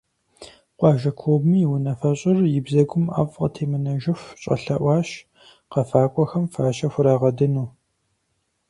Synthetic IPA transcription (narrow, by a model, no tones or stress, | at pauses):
qʷɑːʒɐkʷʰoːbmɨjɪwʊnɐfɐɕʼɐrjɪbzɐɡʷʊma̰ːvqətʰeːmɨnɐʒɪxʷɕʼɐ̰ɬɐʔʷɑːɕ | qɐfaːkʷʼɔxɐmfaːɕɐxʷʊɾaːʁɐdɨnuː